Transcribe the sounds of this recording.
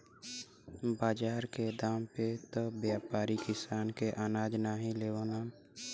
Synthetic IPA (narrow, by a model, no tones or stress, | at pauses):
baːd͡ʒaːɾked̪aːmpet̪objaːpaːɾikɪsaːnkeʔaːnaːd͡ʒnaːɦĩleːʋoːnaː